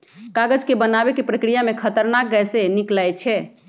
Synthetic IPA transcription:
kaɡəd͡ʒkebənabekepɾəkɾijamekʰət̪əɾnak̚ɡɛjseniklajt͡ʃʰɛ

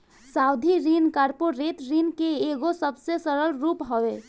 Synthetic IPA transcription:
sawd̪ʱiɾinkaɾpoɾet̪ɾinkeeɡosəbsẽsəɾəlɾupɦɔbe

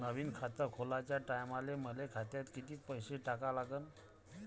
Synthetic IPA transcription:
nəʋiːnkʰat̪əɾkʰolat͡ɕjaʈajmaleməlekʰat̪jat̪kit̪iːk̚pəjseʈakalaɡən

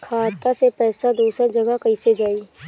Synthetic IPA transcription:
kʰaːt̪asepɛːsad̪uːsəɾd͡ʒɐɡakɐised͡ʒaːiː

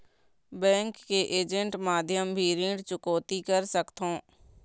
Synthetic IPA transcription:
bɛ̃ːŋkːeʔeːd͡ʒə̃ɳʈmaːd̪ʱjəmbʱiɾẽːɳɖt͡ʃʊkoːt̪ikəɾsəkt̪ɦõː

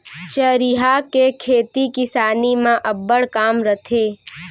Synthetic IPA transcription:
t͡ʃəɾiɦakekʰeːt̪ikɪsaːnimãʔɐbːəɽkaːmɾət̪ʰeː

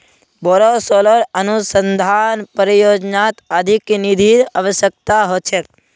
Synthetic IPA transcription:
bɔɾosolɔɾənusənd̪ʱanpəɾjod͡ʒnat̪əd̪ʱiknid̪ʱiaʋəʃjək̚t̪aɦot͡ʃʰe

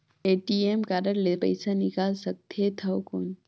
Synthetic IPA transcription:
eːʈieːmkaːɾəɾlepɐ̰ɪsanɪkaːlsɐk̚t̪et̪ʰɐwkoːn

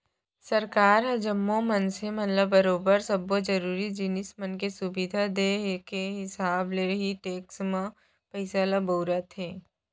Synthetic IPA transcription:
sɐɾkaːɾɐd͡ʒəmːomənsemɐt̪ləbːɐɾoːbəɾsɐbːod͡ʒɐɾuːɾid͡ʒɪnɪsmənkesʊbid̪ʱad̪ekeɦɪsaːbleɦiʈeːksmã | pəɪsalaboːɾat̪ʰɦeː

